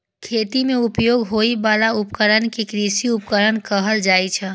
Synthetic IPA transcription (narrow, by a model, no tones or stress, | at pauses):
kʰeːt̪imẽʊpjoːɡɦoibaːlaʊpkəɾənkekɾisiʊp̚kəɾənkəɦəld͡ʒaːit͡ʃʰɛ